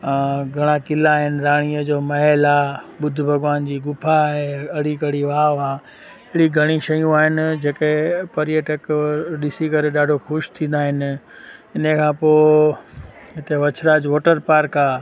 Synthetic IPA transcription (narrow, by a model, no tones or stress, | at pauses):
ɡʱɐɽ̃akɪlaːɦɪnɪ̆ɾaːɽ̃iəd͡ʑoːmɐɦɛlaːɓʊd̪ʱʊ̆bʱɐɡʋaːnd͡ʑiːɡʊpʰaɦeɐɽikɐɽiʋaːʋaː | ɪɪɽiɡʱɐɽ̃iʃɐjũaːɦɪnɪ̆d͡ʑeːkepɐɾijəʈəkɗɪsikɐɾeɗaːɖʱoxʊʃt̪ʰĩːn̆d̪aːɦɪnɪ̆ | ɪnəkʰãːpoː | ɦɪt̪eʋɐt͡ɕʰɾaːd͡ʑʋoːʈəɾpaːɾkaː